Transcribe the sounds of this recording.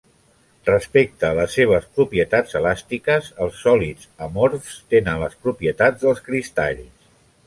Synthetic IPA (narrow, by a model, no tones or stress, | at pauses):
rəspek̚t̪əːləsːeβ̞əspɾupiət̪ad͡zəlast̪ikəzəlˠsːɔlid͡z | əmoɾst̪enənləspɾupiət̪ad͡zðəlˠskɾist̪a̰ʎs